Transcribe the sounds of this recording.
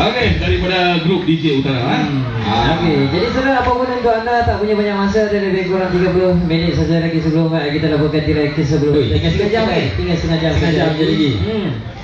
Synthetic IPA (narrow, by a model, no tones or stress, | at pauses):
okedaɾipadaɡɾup̚did͡ʒeut̪aɾa | oked͡ʒadisəɾaapapunankoʔandat̪aʔpuɲabaɲaʔmas̬adaɾibekoɾaŋt̪iɡapəlʊminɪt̪̚səs̬ajlaɡis̬əbəlʊŋaʔakit̪alapokant̪iɾajkəsəbəlʊkasəkad͡ʒaŋat̪iŋasəŋad͡ʒaŋsad͡ʒaɲalaɡi